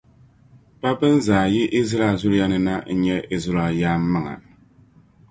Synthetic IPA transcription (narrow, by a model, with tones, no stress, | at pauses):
pa˦bɨ˦n˦zaː˨jɪ˦ʔi˦zɾa˨zʊ˦ɾja˦nɨ˦na˦n̩˦ɲɛ˦ʔi˦zɾa˨jaː˦mːɨ˦ŋa̰˨